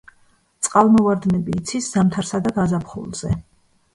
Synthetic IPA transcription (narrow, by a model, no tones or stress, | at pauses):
t̪sʼqʼalˠmɔvaɾd̪nɛbiːt̪sʰisz̥amt̪ʰaɾsad̪aɡazapʰχṵlˠz̥ɛ